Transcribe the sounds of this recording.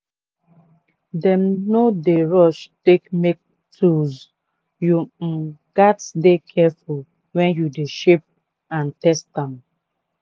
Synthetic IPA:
dɛ̃mnodeɹɔʃtekmek̚ | tʰuz | juɡatsdekʰɛful | wɛ̃njudeʃep̚ | ãntɛsãm

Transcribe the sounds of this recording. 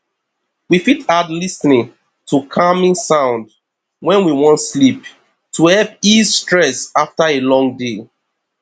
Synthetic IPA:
wifitadlisnĩŋ | tʰukʰamĩnsãʊ̃nd | wɛ̃nwiwɔ̃ntslip | tʰuhɛlp̚izstɹɛsaftaelɔ̃ŋde

